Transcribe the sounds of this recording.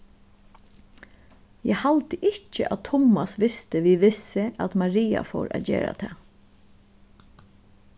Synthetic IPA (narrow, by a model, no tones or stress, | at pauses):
jɛhalt̪əʔɪt͡ʃəʔat̪ʰʊmasʋɪst̪ɪʋiʋɪsɪʔæt̪maɾiːa̰fo̰ːɾʔa̰d͡ʑḛːɾa̰t̪ʰɛː